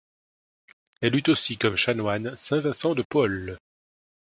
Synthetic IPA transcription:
ɛlyt̪osikɔmʃanwansɛ̃vɛ̃sɑ̃d̪əpɔl

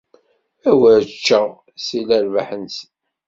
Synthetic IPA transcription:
æwəɾt͡ʃːə | silæɾvaħənsə

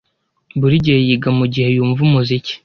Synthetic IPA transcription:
buɾiɟejiɡamuɟihe̞juːɱvumuzici̥

